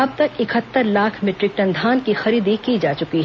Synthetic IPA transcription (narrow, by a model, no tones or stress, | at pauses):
ɐb̚t̪ɐkɪkʰət̪ːəɾlaːkʰmɪʈɾɪk̚ʈɐ̃nd̪ʱaːnkixɐɾiːd̪ikid͡ʒaːt͡ʃʊkiɦ